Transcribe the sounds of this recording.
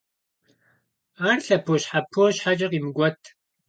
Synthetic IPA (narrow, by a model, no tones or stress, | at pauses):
aːrɬɐpʰoːɕħapʰːoɕħat͡ʃʼɐqimɡʷɔtʰ